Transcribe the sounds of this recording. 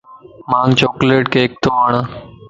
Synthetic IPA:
mãːŋɡt͡ɕoːkleːʈkeːk̚t̪oːəɳ

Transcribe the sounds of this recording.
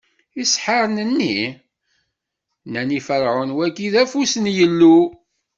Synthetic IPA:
isħəɾˤnənːi | nænifəɾʕʊnwækːiðæfusənjəlːu

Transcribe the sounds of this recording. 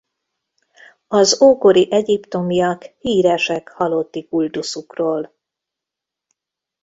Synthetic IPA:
ɒzoːko̞ɾiʔɛɟipt̪o̞mijɒkhiːɾɛʃɛkhɒlo̞t̪ːikuld̪usukroːl

